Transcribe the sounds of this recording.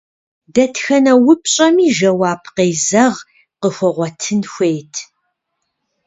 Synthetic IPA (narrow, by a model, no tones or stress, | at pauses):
dɐtʰxɐnɐwʊpʰɕʼɐmiːʒɐwaːpʰqeːzɐʁ | qəxʷɔʁʷɔtʰɨnxʷejtʰ